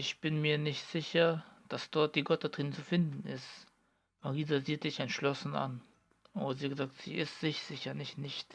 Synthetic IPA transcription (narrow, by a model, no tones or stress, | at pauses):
ʔɪçb̥ɪnmiːɐnɪçtz̥ɪçɐd̥asd̥ɔɐt̚d̥iːɡɔtatʁ̥iːnət͡sufɪndn̩ɪst | maʁiːzaziːtz̥ɪçɛntʃlɔsn̩a̰n | ʔoːbɐziːɡəzaːk̚tz̥ḭːɪstz̥ɪçz̥ɪçɐnɪçtnɪçt